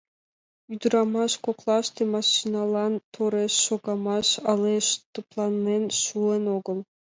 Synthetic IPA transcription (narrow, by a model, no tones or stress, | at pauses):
yd̪uɾɑmɑʃkoqlˠɑʃt̪ʲemɑʃinɑlˠɑnt̪ʰoɾeʃːoɡɑmɑʃɑlˠeʃt̪oplˠɑnːenʃuenoɡɤ̆lˠ